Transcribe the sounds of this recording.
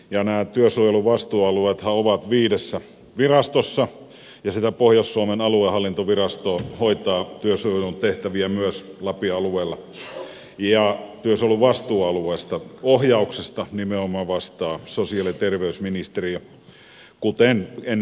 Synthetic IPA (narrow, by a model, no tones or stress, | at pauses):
jɑnæːt̪yøsuojeluʋɑst̪uːɑlueːt̪hɑoʋɑt̪ʋiːdesːæ | ʋirɑst̪osːɑ | jɑsit̪æpohjɑsːuɑmenɑluehɑlːint̪oʋirɑst̪oːhoit̪ˑɑːt̪yøsuojelunt̪eht̪æʋiæmyøslɑpiɑlueːlːɑ | jɑt̪yøsoeluʋɑst̪uːɑlueːst̪ɑohjɑˑuksest̪ɑnimeomɑʋʋɑst̪ɑːsosiɑlit̪erʋeysminist̪eriɑ | kut̪enen